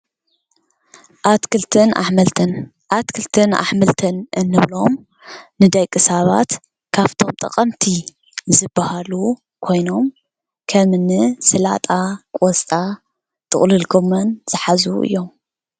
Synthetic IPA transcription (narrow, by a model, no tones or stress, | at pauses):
ʔat̪kɨlt̪ʰɨnaħmɐlt̪ɨn | ʔat̪kʰɨlt̪ʰɨna̰ħmɨlt̪ʰɨnʔɨnːɨβlo̞m | nɨd̪ɐjkʼɨsaβa̰t̪ | kʰaβt̪ʰo̞mt̪ʼɐqʼɐmt̪ʰi | zɨbːahalu | kʰo̞jno̞m | kʰɐmɨnɨsɨla̰t̪ʼakʼɔst̪ʼa | t̪ʰɨ̰χʼlɨlɡomɐnz̥ɨħazuʔɨ̰jːo̞m